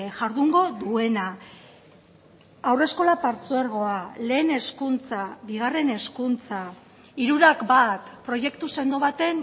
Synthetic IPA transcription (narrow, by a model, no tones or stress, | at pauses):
ʝaɾðuŋɡo̞ðue̞na | awre̞sko̞lapaɾt͡sueɾɣ̞o̞ale̞ːne̞skunt͡saβiɣ̞are̞ne̞skunt͡sa | iɾuɾakbat̪pɾo̞je̞kt̪use̞nd̪o̞βat̪e̞n